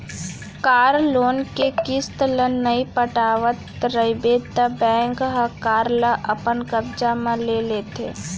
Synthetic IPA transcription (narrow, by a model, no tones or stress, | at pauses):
kaːɾloːnkekɪst̪lənəipəʈaːʋət̪ | ɾəɪbeːt̪ːəbɛ̃ːŋkɦəkaːɾləʔɐpənkəbd͡ʒamãleːleːt̪ḛː